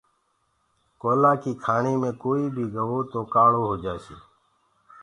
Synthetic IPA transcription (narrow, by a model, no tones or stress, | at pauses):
koːlaːkiːkʰaːɳiːmẽːkoːiːbʱiːɡʱəʋoːt̪oːkaːɭoːɦoːd͡ʒaːsiː